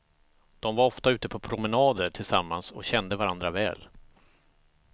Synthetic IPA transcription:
d̪̥ɔmvaɾɔft̪aʉ̟ːt̪əpʰɔpʰɾʊmɛnɑːd̪əʈʰɪlsamːansɔ̰ɕɛnd̪əvaɾand̪ɾavɛ̰ːl

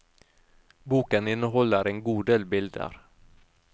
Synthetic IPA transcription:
buːkənɪnːəɦɔlːəɾɛnɡuːd̪eːlbɪld̪ə̰ɾ

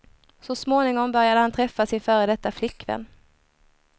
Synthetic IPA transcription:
sɔsmoːnɪŋɔŋbœɾjad̪əhant̪ʰɾɛfːasɪnfœːɾəd̪ɛt̪ːaflɪkːvɛ̰nː

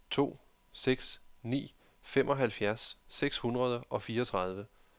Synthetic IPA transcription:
t͡sʰo̝̰ː | seɡ̥snḭː | femʔɒ̽ɦælfjæɐsːeɡ̥shunʁɐðˠəʔɒ̽fiːɐɒt͡sʰʁɑ̈ð̞ˠʋə

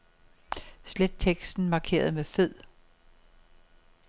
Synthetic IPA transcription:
sled̥̚t͡sʰeɡ̥sd̥n̩mɑ̈kʰe̝̰ːɐð̞̩ˠmeføð̰ˠ

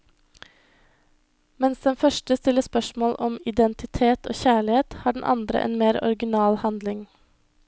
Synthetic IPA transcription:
mɛnsd̪ɛnfœʃʈəst̪ɪləspœʃmoːlʔɔmɪd̪ɛnt̪ɪt̪ʰeːt̪ʰo̰ːçæːɭɪheːt̪hɑːɖɳ̩ʔɑ̰nd̪ɾə̰ʔḛːnmeːɾɔ̰ɾɡɪnɑːlhɑnd̪lɪŋ

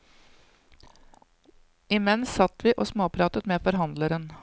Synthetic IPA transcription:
ɪmɛnsɑt̪ʋiːʔoːsmoːpʰɾɑːt̪ət̪meːfɔɾɦɑnd̪ləɾən

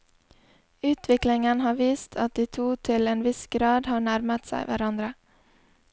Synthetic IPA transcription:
ʉːt̪ʰʋɪklɪŋənhɑːʋiːst̪ʰɑt̪̚d̪iːt̪ʰuːt̪ʰɪleːnʋɪsɡ̥ɾɑːd̪hɑːɳæɾmət̪sæ̰ɪʋæ̰ɾɑnd̪ɾə

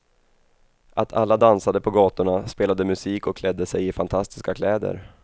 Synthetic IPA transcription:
ʔat̪ʰa̰lːad̪ansad̪əpʰɔɡɑːt̪ʊɳaspeːlad̪əmɵsiːkɔkʰlɛd̪ːəsɛjɪfant̪ʰast̪ɪ̥skakʰlɛːd̪ə̰ɾ

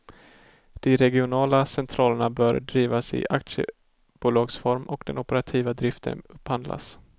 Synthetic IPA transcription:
d̪̥ɪɾɛɡɪʊnɑːlasɛnt̪ʰɾɑːləɳabœːɾɖɾiːvasɪ̰ʔakt̪ʂə̰ | b̥uːlɑːɡsfɔɾmɔkd̪ɛnʊpəɾat̪ʰiːvad̪ɾɪft̪ʰə̰nɵphand̪lʔa̰s

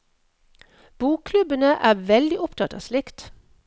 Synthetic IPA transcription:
b̥uːkkʰlʉbənəʔæːʋɛld̪ɪʔʊpt̪ʰɑt̪ɑ̰ːslɪkt̪

